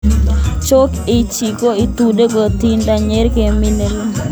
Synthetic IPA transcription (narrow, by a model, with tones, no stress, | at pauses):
t͡ʃo˦kɪ˦t͡ʃi˨ko˦ɪ˦t̪u˨de˦ɡo˨t̪i˦nda˨ɲe˦ɾɡe˨mɪ˦ne˨l